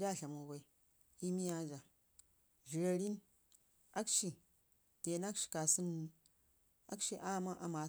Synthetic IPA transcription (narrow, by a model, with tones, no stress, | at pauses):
d͡ʒa˦˨ɬʲa˨mo˨ba˨i˦ | i˦mi˦a˦d͡ʒa˨ | ʒi˨ɾa˨ɾi˦m | a˦kʃi˨ | te˨na˦kʃi̥˨ka˨sɨ˦n˦ | a̰˦kʃi˦ʔa˦˨ma˦ʔa˨ma˨